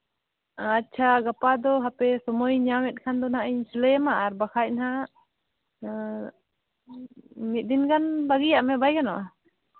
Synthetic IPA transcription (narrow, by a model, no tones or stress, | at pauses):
atːt͡ʃʰaɡapad̪ɔɦapɛsɔmɔjɲawɛt̪̚ˀkʰand̪ɔnhaʔɛɲsiləmaʔaɾbakʰac̚nɦa | mit̪̚ˀd̪inɡanbaɡijaʔmɛbajkanɔ̰ʔa